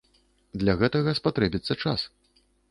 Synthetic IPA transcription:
d̪lʲɐɣɛt̪ɐɣɐspat̪ɾɛbʲit̪sːɐt͡ʂas

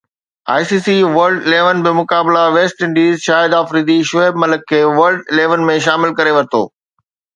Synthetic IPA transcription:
a̰ːjsiːsiʋɐɾɖɪleːʋənbɪmʊkaːblaʋeːsʈɪ̃ɳɖiːzʃaːɪd̪aːfɾiːd̪iʃʊeːbmɐləkʰːeːʋɐɾlɖɪleːʋənmẽʃ̬aːmɪlkɐɾeʋɐɾɪt̪ʰo̰ː

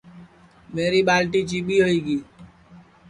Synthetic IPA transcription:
meːɾiɓaːlʈit͡ʃiːbʱiːɦoiːɡiː

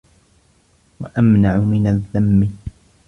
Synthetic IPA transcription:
waʔamnaʕʊmɪnaðːamːɪ

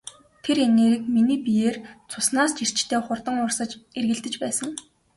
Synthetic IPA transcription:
t̪ʰeɾeneːɾiːkminiːpijeːrt͡sʰʊsnaːst͡ɕir̥t͡ɕt̪ʰeːχʊrt̪ə̆ŋʊrsə̆t͡ɕerɣɘ̆ɮt̪ɘ̆t͡ɕpæːsə̆ŋ

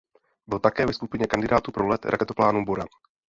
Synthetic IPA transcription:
bɪlt̪akɛːvɛskupɪɲɛkand̪ɪdaːt̪upɾolɛt̪ɾakɛt̪oplaːnubuɾa̰n

